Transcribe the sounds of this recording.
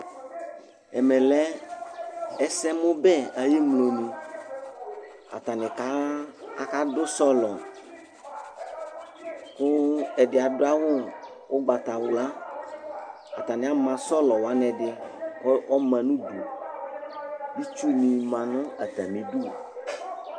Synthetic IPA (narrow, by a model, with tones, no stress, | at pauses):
ɛ˨mɛ̃˨lɛ˦ | ɛ˦sɛ˦mõ˦bɛ˦a˨je˦mlo˨nũ˨ | a̰˨t̪a˨nɛ̃˨ka˦a˨ka˦ɖo˦sɔ˦lɔ˨ | ko˦ɛ˨ɖɪ˨a˨ɖo˦a˦wo˦ | wʔo˦ɡ͡ba˨t̪a˨wu˨la˦ | a̰˨t̪a˨nɛ̃˨a˦mã˨sɔ˦lɔ˨wa˦nɛ̃˨ɖɪ˨˦ | ɔ˦mɛ̃˨nũ˦ɖṵ˨ | bi˦t͡ʃu˦mĩ˨mã˨nʊ̃˦a˨t̪a̰˨mĩ˨ɖu˦˨